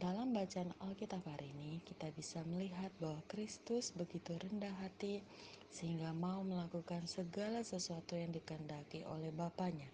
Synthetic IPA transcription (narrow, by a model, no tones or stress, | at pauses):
dalambat͡ʃaːnɔlkit̪aphaɾiːnikit̪abisaməliɦat̪̚baɦwakɾist̪ʊsbəɡit̪uɾəndahɦat̪isəhiŋɡamauməlakukansəɡalasəsuat̪ujaŋdikəndakiʔo̰lɛhbapaɲa